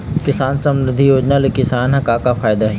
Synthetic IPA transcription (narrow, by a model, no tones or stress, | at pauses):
kɪsaːnsɐ̃mɾɪd̪ʱːijoːd͡ʒnalekɪsaːnɦɐkaːkafʰaːjd̪aɦɛ